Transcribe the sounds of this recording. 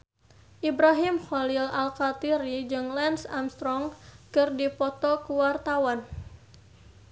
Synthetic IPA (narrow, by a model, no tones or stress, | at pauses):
ʔibɾaɦimxɔlilalkat̪iɾid͡ʒɨŋlɛnsamst̪ɾɔŋkɨrdipɔt̪ɔkuwart̪awan